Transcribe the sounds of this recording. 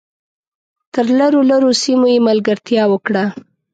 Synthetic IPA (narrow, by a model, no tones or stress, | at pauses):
t̪əɾlaɾolaɾosimojemalɡaɾt̪jɑwəkɽa